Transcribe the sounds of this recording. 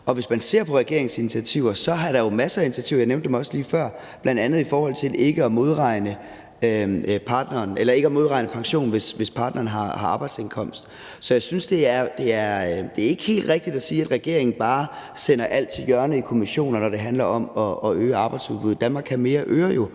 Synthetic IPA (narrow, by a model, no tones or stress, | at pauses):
ɒ̽ʋe̝smænse̝ɐ̰pʰɒ̽ʁɛɡ̥e̝ɐ̰e̝ŋsinit͡sʰæt͡sʰiʊ̰ɐsɒ̽æɐɾ̥ɑ̈jo̝mæsəːinit͡sʰæt͡sʰḭʊɐjɑneʊnd̥emɒ̽səliːfɶɐ̰ | b̥lænd̥ænð̞̩ˠifɒːhɒ̽l̰t͡sʰe̝lʔe̝ɡ̥əɒmo̝ð̞ˠʁɑ̈ɪ̰nə | øpʰɑ̈ːd̥nɐːnelɐe̝ɡ̥əɒmo̝ð̞ˠʁɑ̈ɪnəpʰɑ̈ŋɕo̝̰ːn̩ʋe̝sʋe̝spʰɑ̈ːd̥nɐːn̩ɦɑ̈hɑ̈ɑ̈ːb̥ɑ̈ɪd̥senkʰɒ̽m̰sd̥ | sɒ̽jɑ̈ɪsynsd̥e̝æɐd̥e̝æɐd̥e̝æɐe̝ɡ̥ə̥he̝̰ːld̥ʁɛɡ̥̚d̥id̥æsiːæd̥ʁɛɡ̥e̝ɐ̰eŋn̩b̥ɑ̈ːsen̰ɐʔæl̰t͡sʰe̝ljɶɐnəikʰo̝miɕo̝̰ːnɐnɒɾ̥e̝ɦænlɐɒ̽mɒ̽ɒ̽øːəɑ̈ːb̥ɑ̈ɪd̥sfubuðˠd̥ænmɑ̈ːɡ̥kʰhæme̝ːɐʔøːɐjo̝